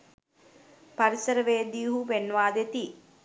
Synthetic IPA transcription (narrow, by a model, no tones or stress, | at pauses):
pɐɾisɐɾɐʋeːd̪ijuɦuʋenːʋaːd̪et̪i